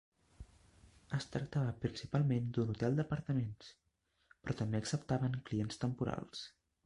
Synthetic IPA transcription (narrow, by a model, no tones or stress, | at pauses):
əst̪ɾək̚t̪aβəpɾinsipalˠmend̪unut̪ɛlˠd̪əpəɾt̪əmens | pɾɔt̪əmbeəksəp̚t̪aβəŋklienst̪əmpuɾa̰lˠs